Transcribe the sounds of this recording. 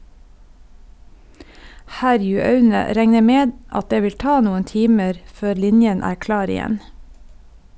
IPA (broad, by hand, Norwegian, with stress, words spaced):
ˈhæɾjʉɑʉnə ˈɾɛŋə ˈmeːd ˈɑt ˈdeː ˈʋɪl ˈtɑː ˈnuːən ˈtiːməɾ ˈføːɾ ˈlɪnjən ˈæːɾ ˈklɑːɾ ɪˈjɛn